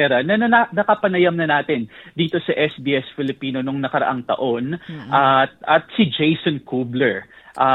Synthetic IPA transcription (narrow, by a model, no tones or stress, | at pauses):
ɛɾɐnɐnɐnɐnɐkɐpɐnɐjɐmnɐnaːt̪ɪnd̪iːt̪o̞sɐʔɛsbiːʔɛsfɪlɪpiːno̞noŋnɐkɐɾɐ̰ʔaŋt̪ɐ̰ʔo̞nʔɐt̪̚ʔɐt̪̚sɪd͡ʒejsonkʰuːblɛɹʔa